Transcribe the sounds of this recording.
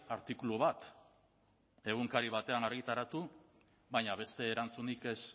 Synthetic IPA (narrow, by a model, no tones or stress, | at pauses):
aɾt̪ikuluβat̪ | e̞ɣ̞uŋkaɾiβ̞at̪e̞anaɾɣit̪aɾat̪u | βajɲaβ̞e̞st̪e̞ːɾant͡sunike̞s